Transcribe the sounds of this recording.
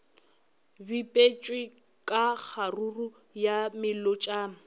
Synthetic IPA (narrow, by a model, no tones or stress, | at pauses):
bipʼet͡ʃʼwɪ | kʼak͡xʰaruru | jamɪlot͡ʃʼaːŋ̩